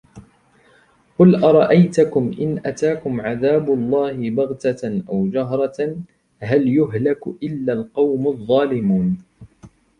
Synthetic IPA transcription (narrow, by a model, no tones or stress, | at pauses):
qʊlʔɑɾˤɑʔajt̪akʊmʔɪnʔat̪aːkʊmʕaðaːbʊlˤːɑːhɪbɑɣt̪aʔawd͡ʒaɦɾˤɑ | ɦaljʊɦlakʔɪlːalqɑwmaðˤːɑːlɪmuːn